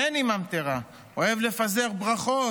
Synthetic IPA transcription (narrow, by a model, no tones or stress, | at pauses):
enimamt̪eʁa | oe̞vle̞fazeʁbʁaχo